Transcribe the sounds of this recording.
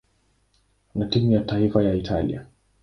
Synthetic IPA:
natimujataifajaitʰa̰lḭa̰

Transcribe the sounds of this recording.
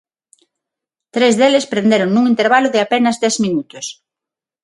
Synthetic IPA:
t̪ɾezðelɪspɾẽnd̪eɾoŋnuŋint̪eɾβalʊðɪapenɐzd̪ɛzmĩnut̪ʊs

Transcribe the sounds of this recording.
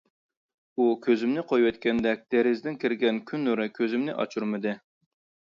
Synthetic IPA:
ukʲʰøzɪmnɪqʰojwɛt̪kʲɛnd̪ɛk̚ʲd̪̥ɛɾɪzd̪ɪnkʲʰiɾɡʲɛnkʲʰynːuɾɨkʲʰøzɪmnɪʔɑ̰t͡ʃʰuɾmɨd̪ɨ

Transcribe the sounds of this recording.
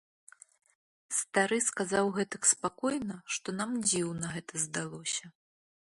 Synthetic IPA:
st̪aɾɨskazawɣɛt̪ɐkspakɔjnɐʂt̪ɔnamd͡zʲiwnɐɣɛt̪ɐzd̪alˠɔsʲɐ

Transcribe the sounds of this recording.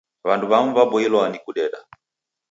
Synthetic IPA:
βanduβamuvabɔilɔanikuɗɛɗa

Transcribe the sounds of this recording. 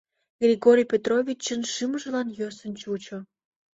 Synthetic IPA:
ɡrʲiɣoɾʲijpʲet̪rovʲit͡ɕːə̆nʃɨməʒə̆lɑnjøsə̆nt͡ɕut͡ɕŏ

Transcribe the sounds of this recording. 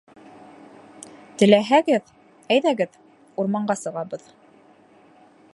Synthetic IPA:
t̪ɘ̆læɦæɡɘð | æjðæɡɘð | uɾmɑɴɢɑsɤ̆ʁɑβɤð

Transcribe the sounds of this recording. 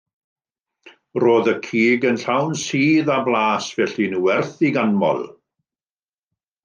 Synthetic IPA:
roːðəkʰiːɡənɬawnsiːðablˠaːsvɛɬinuːɛrθiɡanmɔ̰lˠ

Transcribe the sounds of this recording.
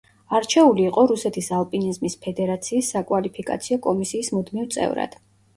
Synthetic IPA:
aɾt͡ʃʰɛuliːqʼɔɾusɛt̪ʰisalˠpʼinizmispʰɛd̪ɛɾat̪sʰiːsːakʼwalipʰikʼa̰t̪sʰiɔkʼɔmisiːsmud̪mivt̪sʼɛ̰vɾa̰d̪̥

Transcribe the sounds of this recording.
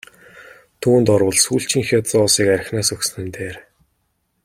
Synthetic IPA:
t̪ʰuːnt̪ɔɾʊːɮsuːɬt͡ɕʰĭŋxʲɔt͡sʊːsiːkæɾʲɪ̆xnaːsɵksnɘ̆nt̪eːr

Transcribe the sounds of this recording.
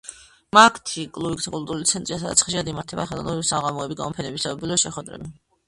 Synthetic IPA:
makʰt̪ʰikʼlˠuikʼskʼulˠt̪ʼuɾulit̪sʰɛnt̪ʼɾiasad̪at̪sχɛʃiad̪imaɾt̪ʰɛbaχɛlˠɔ̰nɔbivsaʁamɔɛbiɡamɔpʰɛnɛbisaɔbilɔʃɛχwɛd̪ɾɛ̰bi

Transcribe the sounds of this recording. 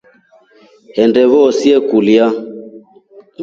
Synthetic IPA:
hɛndɛβɔsiɛkulja

